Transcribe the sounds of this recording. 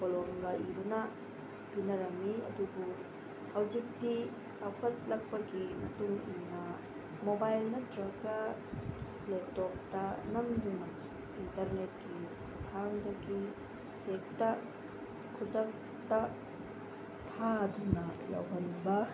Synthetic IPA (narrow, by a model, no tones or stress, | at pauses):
poloŋɡaʔidunɐ | binɐɾɐmːiɐ̰dubu | hɐwd͡ʒik̚ti | awkʰɐt̚lɐk̚pɐɡimɐ̰tuŋinɐ | mobajlnɐdɾɐɡɐ | lep̚top̚tɐnɐmdunɐ | intɐɾnet̚ki | tʰaŋdɐɡi | hek̚tɐ | kʰudɐk̚ | tɐ | tʰadunɐja̰wɦɐnbɐ